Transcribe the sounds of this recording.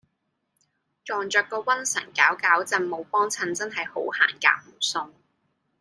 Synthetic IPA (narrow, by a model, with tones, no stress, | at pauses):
t͡ʃɔː˨ŋt͡ʃœː˨˧kːɔː˧wɐ˥nsɐ̰˨˩ŋkaː˨˥wkaː˨˥wt͡sɐ˨˧nmo˨˧wpɔː˥ŋt͡sʰɐ˧nt͡sɐ˥nɦɐ˨jho˨˥wha̰ː˨˩nka̰ː˨˥wm̩˨˩sʊ˧ŋ